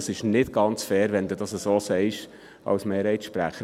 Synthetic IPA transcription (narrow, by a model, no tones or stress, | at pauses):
sɪʃnɪtɡ̥ɑnt͡sfɛːɾʋɛnd̪udɑsəsoːsɛɪʃ | ʔɑ̰wsmeːɾhɛɪtʃpɾæ̰χə